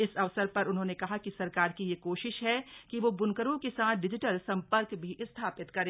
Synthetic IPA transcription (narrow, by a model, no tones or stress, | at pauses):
ɪsɐʋsəɾpɐɾʊnɦõːnekɐɦakisɐɾkaːɾkijekoːʃɪʃɦɛkiʋoːbʊnkəɾõkesaːt̪ʰɖɪd͡ʒɪʈəlsɐ̃mpəɾkbʱiʔɪst̪ʰaːpɪt̪kɐɾẽː